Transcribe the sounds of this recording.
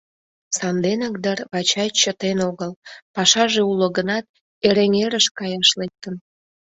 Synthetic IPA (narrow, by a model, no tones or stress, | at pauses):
sɑnd̪enək̚d̪ərβɑt͡ɕɑjt͡ɕət̪enoɣəlpɑʃɑʒeuləɣənɑt̪̚ | eɾeŋeɾəʃkɑjɑʃlek̚t̪ən